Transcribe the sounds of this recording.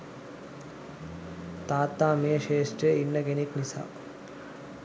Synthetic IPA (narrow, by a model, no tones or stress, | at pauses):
t̪aːt̪ːaːmeːʃeːsʈɾeinːəɡeniknisa̰ː